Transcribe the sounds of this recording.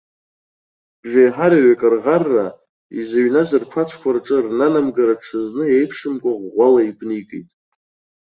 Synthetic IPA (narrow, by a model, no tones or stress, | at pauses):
b̥ʒajħaɾaɥakʼɨrʁarːa | izaɥnazɨrkʷʰat͡sʷʰkʷʰarʈ͡ʂʼɨrnanamɡaɾaʈ͡ʂʰɨznɨejpʰʂɨmkʷʼaʁʷʁʷalaipʰʼnikʼḭjtʼ